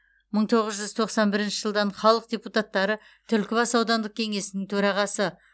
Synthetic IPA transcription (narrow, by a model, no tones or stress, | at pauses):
məɴt̪ʰo̞ʁəzʒʏzt̪ʰo̞qsɑnbɪɾɪnʃɪʒəlˠd̪ɑɴχɑlˠəq̚d̪ʲeput̪at̪ːɑɾə | t̪ʰʏlkʲɪbɑsɑwd̪ɑnd̪əq̚kʲʰe̞ŋe̞sɪnɪŋt̪ʰɵɾɑʁɑsə